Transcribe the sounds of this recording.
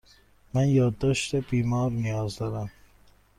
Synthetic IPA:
mænjɒːd̪ːɒːʃt̪ebiːmɒːɾnijɒːzd̪ɒːɾæm

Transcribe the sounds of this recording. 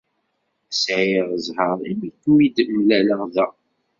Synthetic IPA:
sʕiʁəzhəɾˤimikːuid̪mlæləʁðæ

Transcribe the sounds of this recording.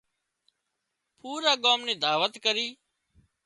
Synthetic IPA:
pʰuːɾaːɠoːmnẽːd̪aːʋət̪kəɾiː

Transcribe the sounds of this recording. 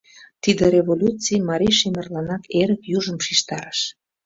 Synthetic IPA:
t̪id̪eɾevolʲut͡sijmɑɾʲiʃemərlɑnɑkeɾəkjuʒəmʃiʃt̪ɑɾəʃ

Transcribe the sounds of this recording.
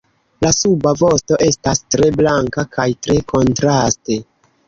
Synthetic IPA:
lasubavo̞sto̞ʔe̞stastɾe̞blaŋkakʰajtɾe̞kʰo̞ntɾaste̞

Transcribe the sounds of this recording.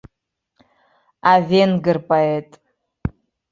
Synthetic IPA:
avenɡɨrpʼaetʼ

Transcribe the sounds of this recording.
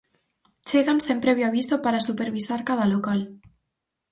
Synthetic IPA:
t͡ʃeɣansempɾeβjaβist̪opaɾasupeɾβizaɾkað̞alokal

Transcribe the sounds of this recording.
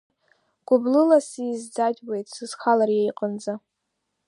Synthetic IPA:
ɡ̥ʷʊblɨlasizd͡zadʲʼwe̞jtʼsɨz̥χalarjejqʼənd͡za

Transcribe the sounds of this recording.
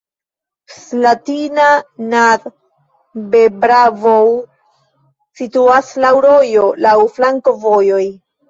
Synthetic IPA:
slatinanaɾ | bebɾavow | situaslawɾo̞jo̞lawflaŋko̞vo̞jo̞j

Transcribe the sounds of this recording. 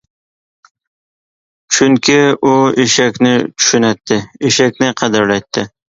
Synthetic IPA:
t͡ʃʰʊŋkʲʰɪʊeʃakʲnɪt͡ʃʰʊ̥ʃʊnat̪ʰːɪeʃakʲnɪqʰɑd̪aɾlajt̪ʰːɪ

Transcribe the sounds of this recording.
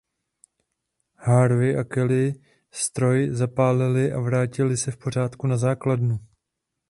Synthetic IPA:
haɾvɪʔakɛlɪ | st̪ɾo̞jzapaːlɪlɪʔavɾaːcɪlɪsɛfpo̞r̝aːt̪kunazaːkladnu

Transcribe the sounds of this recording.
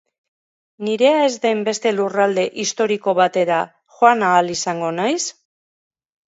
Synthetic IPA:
niɾe̞ae̞zd̪ajmbe̞st̪e̞lurald̪e̞ʔist̪o̞ɾiko̞βat̪e̞ɾa | xoanaːlisaŋɡo̞najs

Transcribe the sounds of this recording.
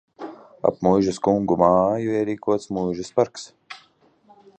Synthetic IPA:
a̰pmujʒaskuŋɡumaːjuiɛɾiːkuɔt̪smujʒɛspaɾks

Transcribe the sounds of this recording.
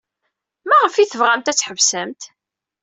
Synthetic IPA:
mæʁəfiθəvʁæmt̪æt͡sːħəvsəmt̪

